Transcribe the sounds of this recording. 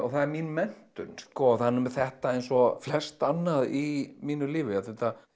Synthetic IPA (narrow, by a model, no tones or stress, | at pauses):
ɔθaðɛɾminmɛn̥t̪ʏnskɔθanːʏmθɛht̪aejnsɔflɛst̪anːaðimiːnʏliːvɪaθɛht̪a